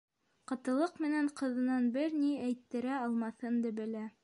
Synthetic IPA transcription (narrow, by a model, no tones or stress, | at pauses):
qɤ̆t̪ɤ̆lˠɤqmɘ̆næɴqɤ̆ðɤ̆nɑnbɘɾniæjt̪ːɘ̆ɾæɑlˠmɑθɤnd̪ɘ̆bɘ̆læ